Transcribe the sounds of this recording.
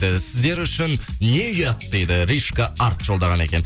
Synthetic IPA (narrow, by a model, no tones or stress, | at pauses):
d̪ɪsɪzd̪e̞ɾʏʃɪnːe̞ʏjɑt̪d̪e̞jd̪ɪɾiʃkaɑɾt̪ʒo̞lˠd̪ɑʁɑne̞̰kʲe̞n